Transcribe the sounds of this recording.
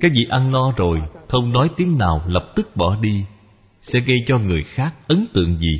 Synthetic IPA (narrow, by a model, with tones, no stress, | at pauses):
kaː˦˥k̚vḭ˧˨ʔa˧nlɔ˧zo˨˩jt̪ʰə˧wŋ͡mnɔ˨˦jt̪i˨˦əŋnaː˨˩wlə˨˩p̚t̪ɨ˦˥k̚ɓɔ˧˩ɗi˧ | sɛ̰˧˥ɣə˧jt͡ɕɔ˧ŋɨ˨˩əjxaː˦˥k̚ʔə˨˦nt̪ɨ̰˧˨əŋzi˨˩